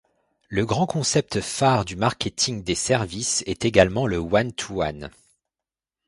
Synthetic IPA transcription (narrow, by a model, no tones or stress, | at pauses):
ləɡʁɑ̃kɔ̃sɛp̚t̪faʁd̪ymaʁkʲet̪ʰiŋd̪esɛʁvisɛt̪eɡalmɑ̃ləwant̪ʰuwa̰n